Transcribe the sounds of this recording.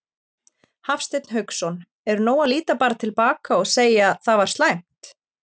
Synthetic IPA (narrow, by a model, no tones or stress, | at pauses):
hafst̪ɪt̪nɦœɥksɔn | ɛɾnoːwaliːt̪apaːɾat̪ʰɪlpaːkaɔɣseːjaθavaɾ̥t̪lajm̥t̪